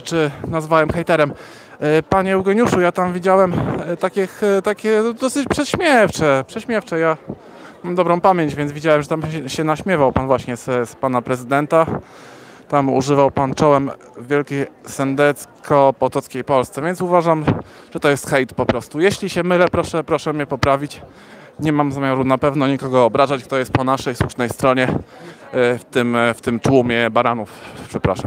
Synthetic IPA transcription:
t͡ʂɘnazvawɛmxɛjt̪ɛɾɛm | paɲɛuɡɛɲuʂujat̪amvʲid͡ʑawɛmt̪akʲixt̪akʲɛd̪ɔsɘt͡ɕpʂɛɕmʲjɛft͡ʂɛpʂɛɕmʲjɛft͡ʂɛja | mamd̪ɔbɾɔ̃w̃pamʲjeɲd͡ʑvʲjɛnzvʲid͡ʑawɛmʐɛt̪amɛɕɛnaɕmʲjɛvawpanvwaɕɲɛsspanapɾɛzɘd̪ɛnt̪a | t̪amṵʐɘvawpant͡ʂɔwɛm | vʲjɛlkʲesɛnd̪ɛt̪skʰɔpɔt̪ɔt̪skʲejpɔlst̪sɛvʲjɛnsuvaʐamʐ̥ɛt̪ɔjɛst̪xɛjt̪pɔpɾɔst̪ujeɕlʲiɕɛmɘlɛpɾɔʂɛpɾɔʂɛmʲɲɛpɔpɾavʲit͡ɕ | ɲɛmamzamʲjaɾunapɛvnɔɲikɔɡɔːbɾazat͡ɕk̚t̪ɔjɛst̪̚pɔnaʂɛjsuʂnɛjst̪ɾɔɲɛ | ft̪ɘmft̪ɘmt̪wumʲjɛbaɾanufpʂɛpɾa̰ʂam

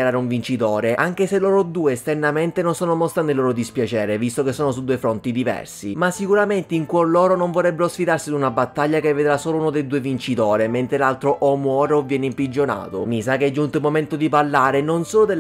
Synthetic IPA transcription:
aɾaːɾeuɱvint͡ʃit̪oːɾeʔaŋk̟eselːoːɾod̪uːeːst̪ɛrnament̪enonsoːnomɔst̪ɾanelːoːɾod̪ispjat͡ʃɛːɾevist̪ok̟esːoːnos̬ud̪ːuːefɾont̪id̪ivɛ̰rsimasːikuɾament̪eiŋkwolɔːɾonoɱvorrɛbːeɾosfid̪arsid̪unabat̪ːaʎːakevːed̪ɾasoːlouːnod̪eld̪uːevint͡ʃit̪oːɾement̪ɾelalt̪ɾoʔɔmwɔːɾeovːjɛːneimpɾid͡ʒːona̰ːt̪o̰misakːeɛd͡ʒːunt̪oilmoment̪od̪ipalːaːɾenonsoːlod̪el

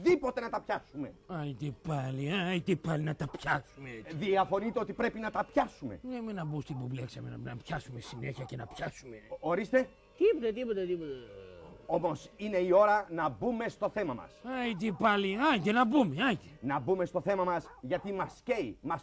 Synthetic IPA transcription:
ðipo̞t̪e̞nɐt̪ɐpçɐsume̞̰ɐjt̪ipaliɐjt̪ipalinɐt̪ɐpçɐsumeðiɐfo̞nit̪eo̞t̪ipɾe̞pinɐt̪ɐpçɐsume̞̰nemenɐbust̪ibubleksɐmenɐnɐpçɐsumesineçiɐcenɐpçɐsumeo̞ɾist̪e̞ | t̪ipot̪et̪ipot̪ɐt̪ipot̪ | o̞mo̞sine̞io̞ɾɐnɐbume̞st̪o̞θe̞mɐmɐ̰sɐit̪ipɐliɐɲɟenɐbumeɐɟe̥nɐbume̞st̪o̞θe̞mɐmɐsʝɐt̪imɐsce̞jmɐs

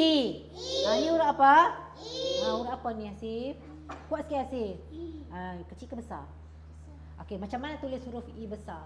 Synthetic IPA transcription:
i | anĩuɾaʔapa | auɾaʔapanĩasi | kuaʔsə̥kiasih | akət͡ʃikabəsa̰ | ʔokemat͡ʃamːanat̪ulɪsuɾʊfibəsa

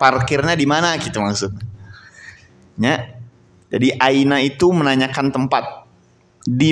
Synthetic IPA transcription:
parkɪrɲadimanakit̪amaksʊk̪̚ɲa | ɲa | d͡ʒadiʔainait̪umənaɲakant̪əmpat̪̚ | di

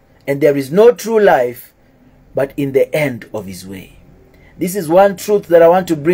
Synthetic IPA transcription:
ɛ̃ndðɛɹiznotʰɹulajf | batĩnðiʔɛ̃ndɔv̥hizwḛ | ðis̬izwãntʰɹuθðæɾajwɔ̃ntːubɹĩ

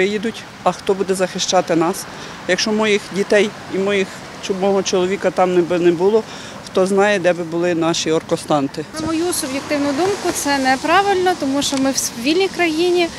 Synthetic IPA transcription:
ɪjid̪ʊtʲ | ɐxt̪ɔbud̪ɛzɐxɪʃt͡ʃɑt̪ɪnɑs | jɐkʃt͡ʃɔmɔjixdʲit̪ɛj | imɔjix | t͡ʃɔbmɔɦɔt͡ʃɔlˠɔʋʲikɐt̪ɑmnɛbɪnɛbʊlˠɔ | xt̪ɔznɑjɛd̪ɛbɪbʊlˠɪnɑʃiɔrkɔst̪ɑnt̪ɪmɔjusʊbjɪk̚t̪ɪwnʊd̪umkʊt̪sɛnɛpɾɑʋɪlʲnɔt̪ɔmuʃt͡ʃɔmɪwʋʲilʲnʲijkɾɐjinʲi

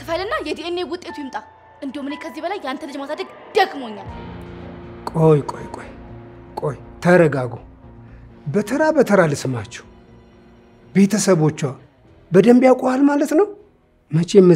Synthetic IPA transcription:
t̪ʰɨfajlɨnːajɛd̪eenːewʊt̪ʼːet̪ujɪmt̪ʼa | ʔɨnd̪omɨnekʰəzːibəlajːant̪əlɨd͡ʒmasad̪əɡ | d̪̥əɡmoɲːal | kʼojkʼo̰jkʼojkʼojt̪ʰəɾəɡaɡo | bət̪ʰəɾabət̪ʰəɾalɨsɨmat͡ʃːɛ̥w | be̞t̪ʰəsəβo̞t͡ʃːwa | bəd̪əmbjakʷʼohalmalət̪nəw | mət͡ʃʰemːɨ

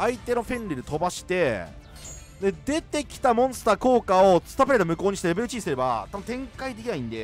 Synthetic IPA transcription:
ait̪e̞no̞ɸẽ̞nɾʲiɾet̪o̞baɕi̥t̪e̞ | d̪e̞d̪e̞t̪e̞kʲi̥t̪amõ̞ɰ̃sɨ̥t̪aːko̞ːkao̞sɨ̥t̪apɯɾet̪omɯ̟ko̞ːɲi̥t̪eɾe̞be̞ɾɯ̟t͡ɕiːisɨɾe̞ba̰t̪abɯnt̪ʰẽ̞ŋkaid̪e̞kʲinaĩnd̪e

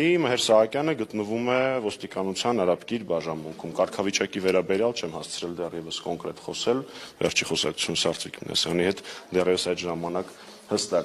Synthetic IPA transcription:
iməhɛɾsɑhɑkjɑnəɡət̪nəvumɛvɔst̪ikɑnut͡sʰjɑnɑɾɑpkiɾbɑʒɑnmuŋkʰumkɑɾkʰɑvit͡ʃɑkivɛɾɑbɛɾjɑlt͡ʃʰɛmhɑst͡sʰɾɛld̪ɛrjɛvəskɔŋkɾɛt̪χɔsɛlvɛ̰ɾt͡ʃʰiχɔsɑ̰kt͡sʰu̥t͡sʰunsɑɾt͡sʰvikmḭnʔɑ̰sjɑnihɛt̪d̪ɛrjɛvəsɑjt̪ʒɑmɑnɑk | həst̪ɑk

